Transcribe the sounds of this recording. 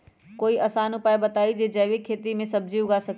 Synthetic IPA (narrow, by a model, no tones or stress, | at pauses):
koːiʔɐsaːnʊpaːjbət̪aːid͡ʒed͡ʒəːʋekʰːeːt̪imẽsəbd͡ʒiʊɡasək